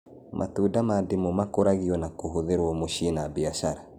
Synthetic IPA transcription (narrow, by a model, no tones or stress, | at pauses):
mʔa̰tudamademomakoɾaɣiɔnakoɦoðeɾwɔmoʃinabiaʃaɾa